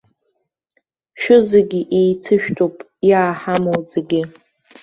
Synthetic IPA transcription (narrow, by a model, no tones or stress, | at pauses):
ʃᶣʊzeɡʲiʔejt͡sʰɨʃᶣtʼopʼ | jaːħamowd͡zaɡʲi